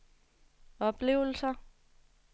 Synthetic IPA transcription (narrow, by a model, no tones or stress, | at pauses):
ɒ̽b̥le̝̰ːʊl̩sɐ